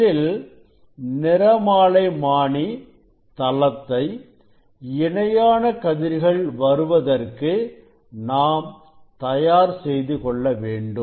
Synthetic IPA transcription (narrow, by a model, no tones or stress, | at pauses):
ɪl | nɪɾɐmaːlɐɪmaːɳi | t̪ɐlɐt̪ːɐɪ | ɪɳɐjaːnɐkɐðɪɾɣɐɭʋɐɾɯʋɐðɐrkɯ | naːm | t̪ɐjaːɾsɛjðɯkɔɭːɐʋeːɳɖɯm